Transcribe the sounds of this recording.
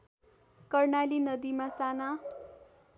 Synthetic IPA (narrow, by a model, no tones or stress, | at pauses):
kʌrnalinʌd̪imasana